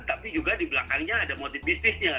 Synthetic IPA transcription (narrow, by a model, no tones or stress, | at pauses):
t̪apid͡ʒuɡadiblakanɲaːdamot̪ifisɪsɲa